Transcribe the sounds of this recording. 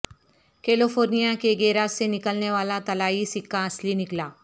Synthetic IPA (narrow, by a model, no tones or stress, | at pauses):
keːlofoːɾnijãkeɡeːɾasenɪkəlneʋaːlat̪ɐlaːisɪkːãɐslinɪklaː